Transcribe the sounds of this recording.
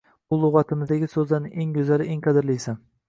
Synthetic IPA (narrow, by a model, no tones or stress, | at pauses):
ʊlˠʊʁɑt̪ʰɪmɪzd̪aɡʲɪsɵzd̪anɪeŋɡʊzalɪʔeŋqʰɑd̪ɪɾlijsan